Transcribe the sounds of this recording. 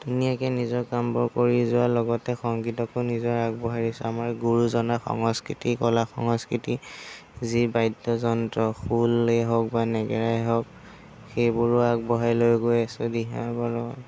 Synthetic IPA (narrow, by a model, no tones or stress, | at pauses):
tunijakɛnizɔkambɔɹkoɹizʊwalɔɡɔtɛxɔŋɡitɔkonizɔɹak̚bɔɦaɹisɛamaɹɡuɹuzɔnaxɔ̰ŋɔskɹitikɔlaxɔŋɔskɹitizibajdɔzɔntɹɔxulɛɦɔk̚banɛɡɛɹajɦɔk̚ | xejbuɹʊak̚bɔɦajlojɡojsodiɦa̰bɔlɔ